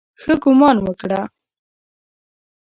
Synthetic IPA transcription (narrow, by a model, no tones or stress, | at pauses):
xəɡʊmɑnwəkɽa